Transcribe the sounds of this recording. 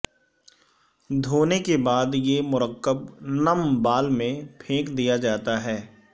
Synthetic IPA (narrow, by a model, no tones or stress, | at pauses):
d̪ʱoːnekebaːd̪jemʊɾəkːəbnəmbaːlmẽpʰẽːkd̪ijad͡ʒaːt̪aɦɛː